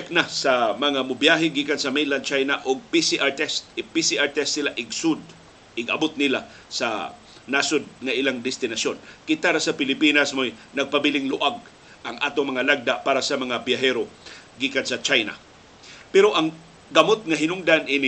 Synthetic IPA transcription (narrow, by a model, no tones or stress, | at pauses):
k̚nasamɐŋamʊbjaɦɪɡiːkansɐmɛjnland̪̚t͡ʃajnaʔʊɡ̚pisɪʔat̪ɛst̪̚ɪpisɪʔaɹt̪ɛst̪sɪlaʔɪɡsʊd̪̚ | ɪɡɐ̰bʊt̪̚nɪla | sɐ | nasʊd̪̚ŋɐʔɪlaŋd̪ɪst̪ɪnɐsjonkɪt̪aɾasɐpɪlɪpinasmojnɐɡ̚pɐbɪlɪŋlʊʔaɡ̚ | ɐŋʔa̰ːt̪oŋmɐŋalaɡ̚d̪aʔpaːɾasɐmɐŋabjaɦɛɾoɡiːkansɐt͡ʃajna̰ | pɛɾoʔɐŋ | ɡɐmot̪̚ŋɐɦɪnʊŋd̪anʔɪn